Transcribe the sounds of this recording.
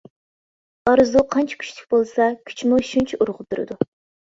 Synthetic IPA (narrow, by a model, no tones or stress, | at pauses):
ɑɾɨzuqʰɑnt͡ʃʰi̥kʲʰy̥t͡ʃt̪ʰy̥kʲbolˠsɑkʲʰy̥t͡ʃʰmuʃunt͡ʃʰiʔuɾʁʊt̪ʰːuɾɨ̰d̪u